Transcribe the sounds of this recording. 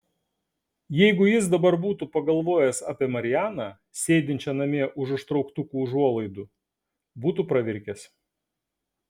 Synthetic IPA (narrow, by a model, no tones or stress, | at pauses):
jɛɪɡʊjɪsd̪ɐbɐɾbuːt̪upɐɡɐlˠʋoːjɛsɑ̰ːpʲiɛmɐɾʲɪjæːnɑː | sʲeːd̪ʲɪnʲt͡ʃʲɛnɐmʲiɛʔʊʃʊʃt̪ɾɒʊkt̪ʊkuːʊʒuɔlˠɐɪd̪ʊ | buːt̪upɾɐʋʲɪɾʲkʲɛs